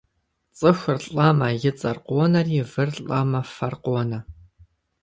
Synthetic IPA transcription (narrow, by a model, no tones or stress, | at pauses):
t͡sʼɨxɨrɬʼɐmɐjɪt͡sʼɐrqʷɔnɐriːvɨrɬʼɐmɐfɐrqɔnɐ